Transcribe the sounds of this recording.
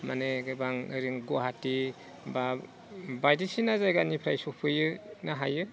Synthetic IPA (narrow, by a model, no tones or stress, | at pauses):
ma̰neɡɯbaŋɯ̰ɾiŋɡoɦati | ba | bajdisinazajɡanipʰɾajsopʰɯjɯnaɦajɯ